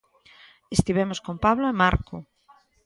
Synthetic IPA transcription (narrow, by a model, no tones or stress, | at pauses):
est̪iβemoskompaβloemaɾko